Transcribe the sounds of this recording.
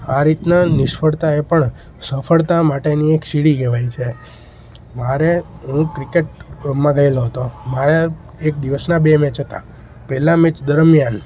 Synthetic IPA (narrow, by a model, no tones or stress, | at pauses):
aɾit̪nanɪʃfʰəɽt̪aepəɳ | səfʰəɭt̪amaʈeniekʃiɽiɡɛʋajt͡ʃʰe | maɾe | ɦũkɾikeʈ̚mãɡəeloɦət̪omaja | ek̚d̪iʋəsnabemɛ̃t͡ʃɦət̪a̰ | pɛlamɛ̃t͡ʃd̪əɾmjan